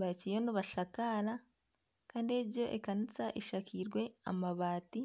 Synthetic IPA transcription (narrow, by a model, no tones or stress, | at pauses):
βacijoniβaʃakala | kaːndie̞ɟo̞ʔekanit͡saʔiʃakʰiːɾɡwe̞a̰maβaːti